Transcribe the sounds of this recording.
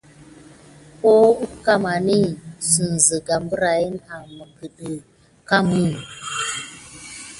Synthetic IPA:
ko˦u˦ka˦ma˨ni˦sə˨n˨zə˨ɡa˨mbə˦ɾa˨ji˦na˨mə˨ɡə˨ɗə˨ | ka˦mi˦n˨

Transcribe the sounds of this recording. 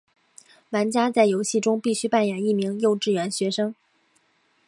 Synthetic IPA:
la˧˥nt͡ɕja˥t͡sa˥˩ɪjo˧˥ʊɕi˥˩ʈ͡ʂʊ˥ŋpi˥˩ɕy˥pa˥˩njɛ˨˩ni˥˩mi˧˥ŋjo˥˧ʊʈ͡ʂɻ̩˥˩ɥɛ˧˥nɕɥɛ˧˥ʂɤ˥ŋ

